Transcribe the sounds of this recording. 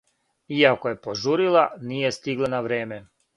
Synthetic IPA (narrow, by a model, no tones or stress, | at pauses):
iakoje̞poʒuɾilaniːjest̪iɡlanaʋɾeːme